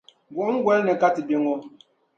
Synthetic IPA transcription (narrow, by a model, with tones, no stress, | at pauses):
ɡwo˨˦ŋ̩˦ɡwɛ˦lnɛ˨ka˦ti˨bji˦ŋo˦